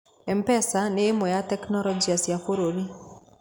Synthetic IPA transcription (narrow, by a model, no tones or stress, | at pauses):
ɛmpɛsaneːmɔjatɛknɔlɔd͡ʒiasjafoɾoɾi